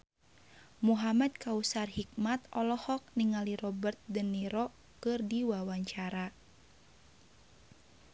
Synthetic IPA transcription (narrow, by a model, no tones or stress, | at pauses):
muɦamad̪̚kausarhik̚mat̪ɔlɔhɔk̚niŋaliɾɔbərt̪̚dənːiɾɔ | kɨrdiwawaɲt͡ʃaɾa